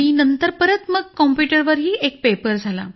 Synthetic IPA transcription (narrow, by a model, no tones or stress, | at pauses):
inənt̪əɾpəɾət̪məɡ̚kɔmpjuʈəɾʋəɾɦiːʔek̚pepəɾd͡zʱala̰